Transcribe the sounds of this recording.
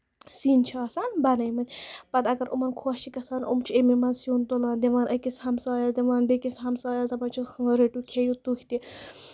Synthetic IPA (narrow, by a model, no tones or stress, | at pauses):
siːnt͡ʃʰɑːsanbɐnɐjmɐt̪ʲpɐt̪ɐɡɐɾʔumɐnkʰot͡ʃʰikɐsaːno̰mt͡ʃʰiememɐnsjuːnt̪olaːnd̪eʋaːnʔɐkishɐmsɑːjazd̪eʋaːnbekisɦɐmsɑːjaːzɐbɐt͡ʃʰixɾeʈukʰejut̪ukʲt̪i